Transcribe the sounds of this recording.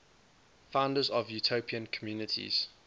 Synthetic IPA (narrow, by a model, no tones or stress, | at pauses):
fãʊ̃ndəzɔvjutʰopʰiə̃nkʰɔmjuːnɪtʰḭz̥